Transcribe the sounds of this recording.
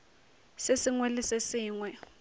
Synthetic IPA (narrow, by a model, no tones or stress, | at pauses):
sesɪŋwɛlɪsesiːŋwɛ